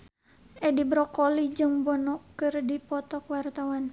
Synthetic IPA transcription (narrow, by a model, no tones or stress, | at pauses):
ʔɛdibɾɔkɔlid͡ʒɨŋbɔnɔkːɨrdipɔt̪ɔkwart̪awan